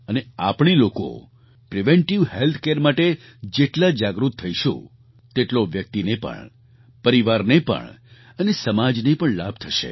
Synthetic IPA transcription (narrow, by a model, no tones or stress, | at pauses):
ənea̰pɳ̃iloko̰ | pɾiʋeɳʈiʋɦelt̪ʰkeɾmaʈe | d͡ʒeʈlad͡ʒaɡɾut̪ʰːəiʃõ̰ | t̪eʈloʋjək̚t̪inepə̰ɳ | pəɾiʋaɾnepə̰ɳ | ənesəmad͡ʒnepəɳla̰b̚ʱt̪ʰəʃḛ